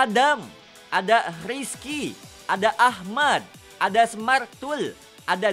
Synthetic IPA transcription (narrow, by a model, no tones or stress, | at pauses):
adam | ʔadariski | ʔadaʔahmad̪̚ | ʔadasəmart̪ul | ʔada